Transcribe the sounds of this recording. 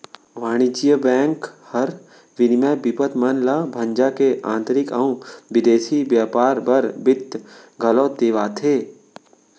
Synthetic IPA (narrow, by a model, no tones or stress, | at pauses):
ʋaːɽ̃id͡ʒijəbɛ̃ːŋkhəɾ | ʋɪnmebɪpət̪mənlabʱə̃ɲd͡ʒakeʔã̰ːnt̪ɾɪkaũʋɪd̪eːsibjaːpaːɾbɐɾbɪt̪ɡʱɐlõːt̪eːʋaːt̪ʰeː